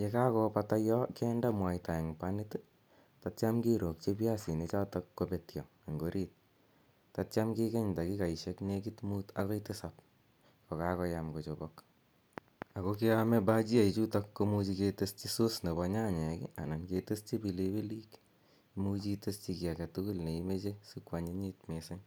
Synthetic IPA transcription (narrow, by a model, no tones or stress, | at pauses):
jekakɔpatajɔkɛndamwajtaɛŋpanit | tatt͡ʃamkiɾok̚t͡ʃepjasinet͡ʃatɔkːopetjɔ̰ | aŋɡoɾʔit̚ | tat͡ʃamkikeɲtakikaiʃeknekitmutakɔitesap | kɔkakɔjamkot͡ʃobɔk | akɔkeamɛbat͡ʃiait͡ʃutakːomut͡ʃiketest͡ʃisosnebɔɲaɲɛkḭananketɨst͡ʃibilebelik | imut͡ʃitɨst͡ʃikiakatukulneimet͡ʃesukwaɲeɲitmesaɲ